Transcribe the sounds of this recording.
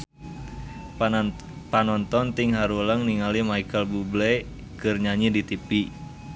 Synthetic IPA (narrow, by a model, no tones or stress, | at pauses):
panɔnt̪ɔnt̪iŋɦaɾuləŋniŋalimaikəlbublɛ | kɨrɲaɲidit̪ipi